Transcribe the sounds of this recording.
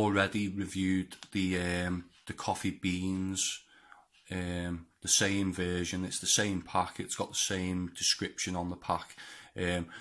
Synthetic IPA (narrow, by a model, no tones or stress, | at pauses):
lˠɹɛdiɹɪvjʉːd̪̚ðəəmðəkʰɒfibĩːnz̥ | əmðəsẽɪ̃mɱvɜːʒə̃nɪtsðəsẽɪ̃mpʰakɪtsɡ̥ɒʔðəsẽɪ̃mdɪskɹɪpʃə̃nə̃nðəpʰakəːm